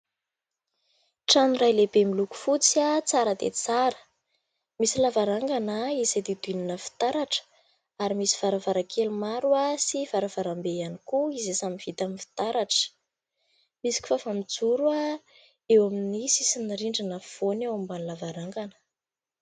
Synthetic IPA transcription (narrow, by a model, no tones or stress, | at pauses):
ʈ͡ʂanuɾajlebemiluku̥fut͡sat͡saɾəd̪ḛt͡saɾə̥ | misilavaɾaŋɡanaizad̪id̪uininəfi̥t̪aɾaʈ͡ʂə̥ | aɾimisi̥v̥aɾavaɾakʰelumaɾuasiv̥aɾav̥aɾambejanikuizesamiv̥it̪aminfi̥t̪aɾaʈ͡ʂə̥ | misi̥kʲi̥fafamid͡zuɾua | ewaminisisinaɾiɳɖ͡ʐinəfonewambanlavaɾaŋɡanə̥